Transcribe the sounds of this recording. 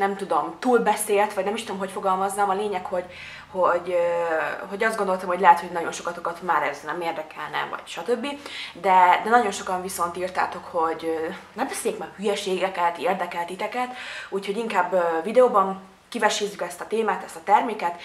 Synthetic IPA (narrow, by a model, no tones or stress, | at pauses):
nɛmt̪ud̪o̞mt̪uːlbɛseːlt̪vɒɟnɛmiʃt̪ud̪o̞mɦocfo̞ɡɒlmɒznamɒleːɲɛkho̞ɟ | ho̞ɟøho̞ɟɒzd̪ɡond̪olt̪ɒmholɛɦɛt̪ho̞ɟnɒɟo̞nʃo̞kɒt̪okɒt̪maːɾɛznɛmeːrd̪ɛkʰɛlnɛ̰vɒ̰ɟʃɒt̪ø̞bːid̪ɛd̪ɛnɒɟo̞nʃo̞kɒɱviso̞nt̪iːrt̪a̰ːt̪o̞kho̞ɟnɛmbɛseːlikmɛkhyjɛʃeːɡɛkɛt̪eːrd̪ɛkɛlt̪it̪ɛkɛt̪uːchoɟiŋkaːbːøːvid̪ɛoːbɒŋ | kivɛʃeːzːykɛst̪ɒt̪eːmaːt̪ɛst̪ɒt̪ɛrmeːkɛt̪